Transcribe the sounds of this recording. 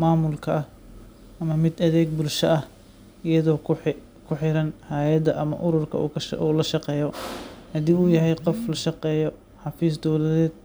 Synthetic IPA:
maːmʊlkʰɐɐh | ʔɐmɐmɪd̪ɐðɛːɡ̚bʊlʃɐʔɐh | ijɐðɔː | kʰʊħɪɾɐnhaːjɐd̪ɐʔɐmɐ̰ʔʊɾʊrkʰɐṵkʰʃʔulɐʃɑqɛːjɔhɐd̪iːuːjɐɦɛjqɔflɐʃɑqɛːjɔ | ħɑfiːsd̪ɔwlɐðɛːd̪̚

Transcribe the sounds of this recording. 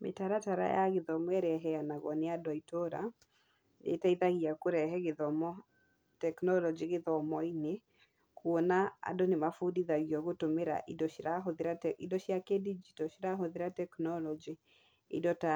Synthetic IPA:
mʔḛtaɾataɾa̰jaɣeðɔmwɛɾɛɦɛanaɣɔneadwaitɔɾa̰ | nḛtaiðaɣiakoɾɛɦɛɣeðɔmɔ | tɛknɔlɔd͡ʒiɣeðɔmɔine | kuɔnaa̰donemafudiðaɣiɔɣotomeɾa̰ʔidɔɾaɦoðeɾaidɔɕjakedid͡ʒitɔʃiɾaɦoðeɾatɛknɔlɔd͡ʒi | ḭdɔta

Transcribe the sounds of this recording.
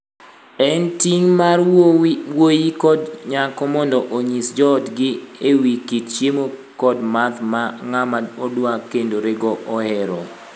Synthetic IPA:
ɛntiŋmarwojikɔdɲakɔmɔndɔʔoɲisd͡ʒɔdɡɪewikitt͡ʃjemokɔdmat̪maŋamaodwakendoɾeɡɔʔɔɛɾɔ̰

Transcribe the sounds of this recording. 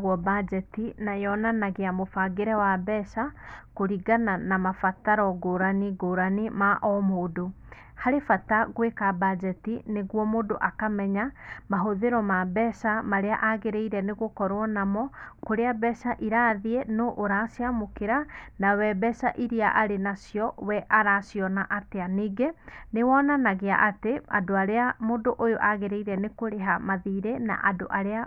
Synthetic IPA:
ɣwɔbad͡ʒɛtinajɔnanaɣeamofaɡeɾɛwabɛʃakoɾiɡananamafataɾɔɡoɾaniɡoːɾanimaʔɔmodo | haɾefataɣwekabad͡ʒɛtineɣwɔmodoʔakamɛɲamaɦoðeɾɔmabɛʃamaɾeaʔaɣeɾeiɾɛneɣokɔɾwɔnamɔkoɾeabɛsaʔiɾaðienoʔːɾasiamokeɾanawɛbɛsaʔiɾiaʔaɾenasjɔwɛʔaɾasjɔnaʔateaneɡenewɔnanaɣeaʔateadoaɾeamondoʔojoʔaɣeɾeiɾɛnekoɾeɦamaðiːɾena̰ʔadoʔaɾea

